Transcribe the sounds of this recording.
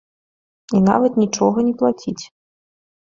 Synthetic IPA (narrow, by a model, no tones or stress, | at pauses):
ina̰vɐt̪nʲit͡ʂɔɣɐnʲɛplˠat͡sʲit͡sʲ